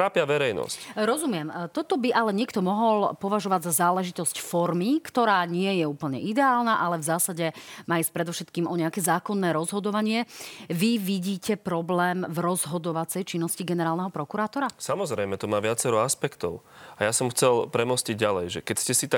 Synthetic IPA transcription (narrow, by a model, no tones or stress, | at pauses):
ɾaːpɪaʋɛɾɛjnɔ̰scɾɔzumɪɛmt̪ɔt̪ɔbiʔalɛɲɪɛkt̪ɔmɔɦɔlpɔʋaʒɔʋaɟzazaːlɛʒit̪ɔscfɔɾmikt̪ɔɾaːɲɪɛjɛuːpl̩ɲɛ̰id̪ɛaːlnaʔalɛvzaːsaɟɛmaːjɛspɾɛd̪ɔfʃɛt̪kiːmʔɔɲɛakɛːzaːkɔnːɛːɾɔzɦɔd̪ɔʋaɲɪɛʋiʋiɟiːcɛpɾɔblɛːmvɾɔzɦɔd̪ɔʋat͡sɛjt͡ʃinːɔsciɡɛnɛɾaːlˠnɛɦɔpɾɔkuɾaːt̪ɔɾasamɔzɾɛjmɛt̪ɔmaːʋɪat͡sɛɾɔaspɛkt̪ɔ̰ʊ | ajasɔmxt͡sɛlpɾɛmɔsciɟɟalɛjʒɛkɛcscɛsit̪a